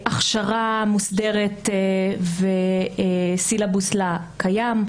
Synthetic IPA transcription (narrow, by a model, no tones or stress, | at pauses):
ʔaχʃaʁamusdeʁet̪ | ve | silabuslakajam